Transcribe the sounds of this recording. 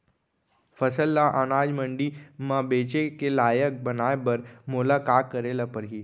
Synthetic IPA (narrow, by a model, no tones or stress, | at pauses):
fəsəlːaʔanad͡ʒməɳɖimãbet͡ʃekelaːjək̚bənajbəɾmolakakəɾelapəɾɦiː